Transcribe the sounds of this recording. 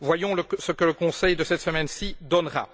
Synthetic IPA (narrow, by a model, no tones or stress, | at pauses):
vwajɔ̃ləsəkələkɔ̃sɛjd̪əsɛt̪səmɛnsid̪ɔnʁa̰